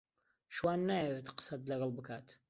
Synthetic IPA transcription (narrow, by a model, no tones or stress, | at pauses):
ʃwaːnːaːjɛwet̪qə̥sɐt̪lɐɣɑlˠbɨkʰaːt̪